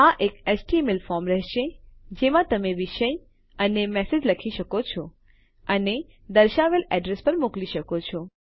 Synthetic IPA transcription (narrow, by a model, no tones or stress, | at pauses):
aʔekesʈimɪlfɔɾmɾɛɦʃed͡ʒemãt̪əmeʋiʃəj | ənemɛsed͡ʒləkʰiʃəkot͡ʃʰɔ | əne | d̪əɾʃaʋelɛɖɾespəɾmokliʃəkot͡ʃʰɔ